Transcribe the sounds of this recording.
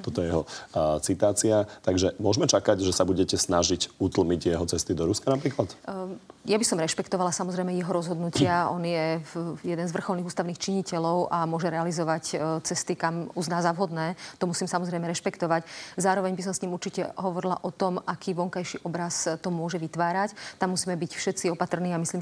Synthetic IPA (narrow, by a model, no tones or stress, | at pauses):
t̪ɔt̪ɔjɛjɛɦɔt͡sit̪aːt͡siat̪aɡʒɛmʊɔʒmɛt͡ʃakaɟʒɛsabuɟɛcɛsnaʒicut̪l̩miɟjɛɦɔt͡sɛst̪id̪ɔɾuskanapɾiːklat̪ | jabisɔmɾɛʃpɛkt̪ɔʋalasamɔzɾɛjmɛjɛɦɔɾɔzɦɔd̪nucʰɪaɔnjɛjɛd̪ɛnzʋr̩xɔlˠniːɣuːst̪aʊniːxt͡ʃiɲicɛlɔʊʔamʊɔʒɛɾɛalizɔʋact͡sɛst̪ikamuznaːzaʋɦɔd̪nɛːt̪ɔmusiːmsamɔzɾɛjmɛɾɛʃpɛkt̪ɔʋaczaːɾɔʋɛɲbis̬ɔmsɲiːmuɾt͡ʃicɛ̰ɦɔʋɔɾila̰ʔɔt̪ɔmʔakʰiːʋɔŋkajʃiʔɔbɾast̪ɔmʊɔʒɛʋit̪ʋaːɾact̪amːusiːmɛbicfʃɛt̪t͡siɔpat̪r̩niːamisliːm